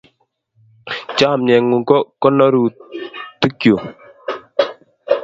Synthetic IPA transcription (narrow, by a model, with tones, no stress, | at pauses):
t͡ʃa˦˨mɲɛ˨ŋu˨ŋkɔ˦kɔ˦nɔ˦ɾu˨tu˦kjo˨